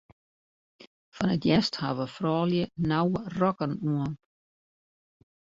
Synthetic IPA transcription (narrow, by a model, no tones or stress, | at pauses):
fɔnətjɛsthaːvəfrɑːljənawrɔkənuən